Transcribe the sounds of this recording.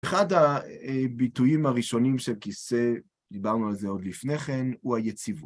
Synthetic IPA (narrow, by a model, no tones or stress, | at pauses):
eχadha | bitujimaʁiʃo̞nimʃelkise̞ | d̪ibaʁnualzeo̞d̪lifne̞χe̞nhuajet͡sivu